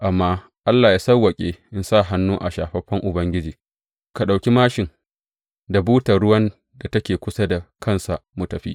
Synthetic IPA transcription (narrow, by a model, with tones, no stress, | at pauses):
ʔa˨mːaː˦ | ʔa˦lːaː˨jaː˦sɐ˦wɐ˨kʲʼeː˦ʔɪ˨nsa˦˨ɦa˦nːuː˦ʔa˨ʃaː˨ɸɐ˦ɸɐ˦ŋʔʊ˨bɐ˦ŋɡʲɪ˦d͡ʒiː˨ | ka˨ɗa˨wkʲi˦maː˦ʃɪ˨ŋ | da˨buː˦ta˨ɽʊ˦wɐ˦n | da˨tɐ˦kʲeː˨kʷʊ˦sa˦da˨kʰɐ˦nsa˨ʔmʊ˨tɐ˨ɸḭ˦